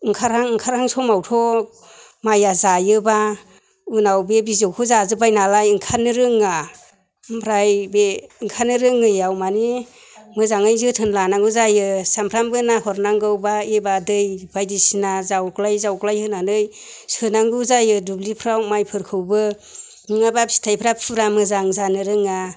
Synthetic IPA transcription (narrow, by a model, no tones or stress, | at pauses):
ŋkʰaɾaŋŋkʰaɾhaŋsɔmawtʰɔ | majazajɯba | ɯnawbebizɯwkʰɯzazɯbajnalajɯŋkʰanɯɾɯŋa | mpʰɾajbeŋkʰanɯɾɯŋːɯjawmani | mɯzaŋajzɯtʰɯnlanaŋɡɯzajɯsampʰɾamɡɯnahɔɾnaŋɡɯwbaebadɯjb̥ajdisinazawklajzawklajhɯnanɯj | sɯnaŋɡɯzajɯdublipʰɾawmajpʰɯɾkʰɯwbɯ | ɯŋabapsi̥tʰajpʰɾapʰuɾamɯzaŋzanɯɾɯŋa